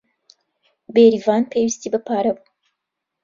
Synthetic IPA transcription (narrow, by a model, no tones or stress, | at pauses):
beːɾiːvaːnpʰeːwist̪iːbɐpʰaːɾɐbu